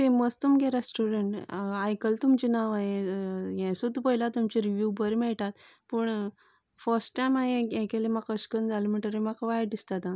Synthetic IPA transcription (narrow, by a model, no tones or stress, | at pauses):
t̪eməst̪umɡɛɾesʈuɾeɳʈajkəlt̪umt͡ɕinaʋaɦejɛ̃sud̪ʱːpəɦjlat̪umt͡ɕiɾiʋjubəɾmɛɭʈat̪pəɳ | fəɾsʈʈajmaɦẽjɛ̃kelemakəɕkənd͡zaləm̤iɳʈəɾimakʋajd̪ist̪at̪ã